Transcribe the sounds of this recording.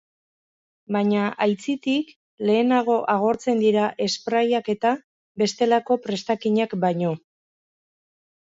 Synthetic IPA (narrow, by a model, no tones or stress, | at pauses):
baɲaʔajt͡sit̪ik | le̞ːnaɣ̞o̞ʔaɣ̞o̞ɾt͡se̞nd̪iɾaʔe̞spɾajake̞t̪a | be̞st̪e̞lako̞pɾe̞st̪akiɲakbaɲo̞